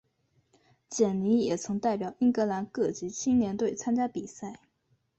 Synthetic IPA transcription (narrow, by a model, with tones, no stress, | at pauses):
t͡ɕjɛ˨˩nli˧˥jɛ˨˩t͡sʰɤ˧˥ŋt̪a˥˩ɪpjɑ˨˩ʊi˥ŋkɤ˧˥la˧˥nkɤ˥˩t͡ɕi˧˥t͡ɕʰi˥ŋljɛ˧˥nt̪we˥˩ɪt͡sʰa˥nt͡ɕja˥pi˨˩sa˥˩ɪ